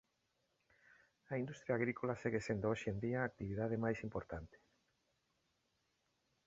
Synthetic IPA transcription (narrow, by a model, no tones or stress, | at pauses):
aind̪ust̪ɾjaɣɾikolaseɣesend̪ooʃend̪iaːk̚t̪iβiðað̞emajsimpoɾt̪ant̪e̥